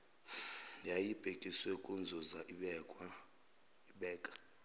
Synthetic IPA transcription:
jajib̥ʱekʼiswekʼund͡zʱuza | iɓɛːkʼḁ

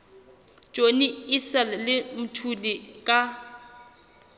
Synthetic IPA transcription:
d͡ʒʼoniisɛllɪmʊtʰulikʼa

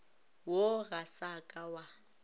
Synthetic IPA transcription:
woɣasakʼawa

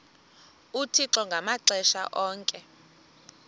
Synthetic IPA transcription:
utʰiǁɔŋɡʱamaǀɛʃa̰ʔɔːŋkʼɛ

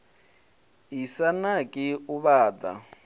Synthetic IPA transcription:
isanakʼɪuβaːd̪a̰

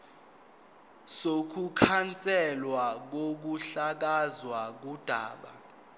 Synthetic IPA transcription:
sokʰukʰant͡sʼɛlwak̬ok̬uɬak̬azwak̬ud̥ʱa̰ːɓa̰

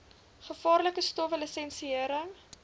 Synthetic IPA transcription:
χəfɑːrləkəstɔfələsɛnsiəɾəŋ

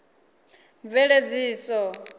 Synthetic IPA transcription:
vɛɺed͡ziːsɔ

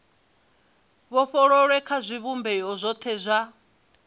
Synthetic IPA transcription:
βɔɸɔɺɔɺɛkʰazʷiβumbɛɔzʷɔt̪ʰɛzʷa

